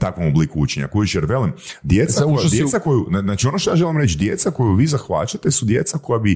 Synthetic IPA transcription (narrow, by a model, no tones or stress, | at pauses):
t̪akʋomublikuut͡ʃeɲa̰kujiʃjeɾʋe̞limd̪jet̪saod̪jesakojuaznaːt͡ʃionoʃt̪ojaʒe̞limɾe̞t͡ʃd̪je̞t̪sako̞juʋiːzaxʋa̰t͡ʃat̪e̞sud̪je̞t̪sako̞jabi